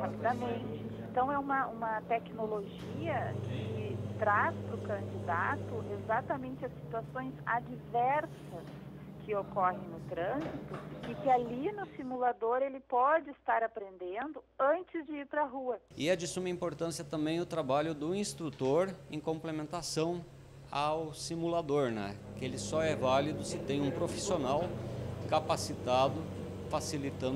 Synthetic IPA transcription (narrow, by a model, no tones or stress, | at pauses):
hapid̪ɐmẽt͡ʃɪ̃ẽnt̪ɐ̃w̃ɛũmɐũmɐt̪ɛknoloʒ | iɐkʰɪt̪ɾaspɾʊkɐ̃nd͡ʒid̪at̪ʊʔezat̪ɐmẽnt͡ʃɪɐsːi̥t̪uasõj̃za̰d͡ʒivɛɾsɐs | kʰɪokɔɦẽj̃nʊt̪ɾɐ̃zit̪ʊɪkɪalinʊsimulad̪oɾelɪpɔd͡ʒɪɪst̪aɾapɾẽnd̪ẽnd̪ʊɐ̃nt͡ʃɪzd͡ʒɪiɾpɾɐɦuɐɪɛd͡ʒɪsũmɐĩmpoɾt̪ɐ̃siɐt̪ɐ̃mbẽj̃ʊt̪ɾabaʎʊd̪ʊĩst̪ɾut̪oɾẽkõmplemẽnt̪asɐ̃w̃ | awsimulad̪oɾnɛ̰kɪelɪsɔɛvalid̪ʊsɪt̪ẽj̃ũpɾofi̥sionawkapasit̪ad̪ʊ | fasilit̪ɐ̃